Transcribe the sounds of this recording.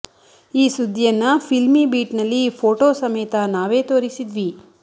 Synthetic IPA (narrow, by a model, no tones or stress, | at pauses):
iːsud̪ʱːijɐnːɐpʰilmibiːʈnɐlːipʰoːʈoːsɐmejt̪ɐnaːʋe̞ːt̪oːɾisid̪ʋi